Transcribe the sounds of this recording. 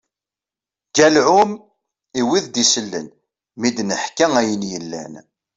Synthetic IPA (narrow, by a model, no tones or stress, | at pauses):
ɡ̥ælʕʊm | iwiðd̪isəlːə̰n | mid̪nəħkːæŋæjənjəlːæ̰n